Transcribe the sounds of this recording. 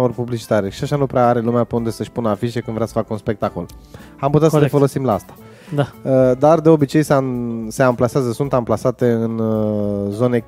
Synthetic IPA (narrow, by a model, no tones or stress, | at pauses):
orpublit͡ʃi̥t̪aɾeʃiaʃanupɾeaaɾe̞lumeape̞und̪e̞səʃʲpunəafiʃe̞kɨnvɾeasə̥fakəunspe̞k̚t̪ako̞̰l | amput̪asəlefo̞lo̞simlaast̪ḁ | d̪aəd̪ard̪e̞o̞bit͡ʃe̞jsase̞amplaseazəsunt̪amplasat̪e̞ɨn | zo̞ne̞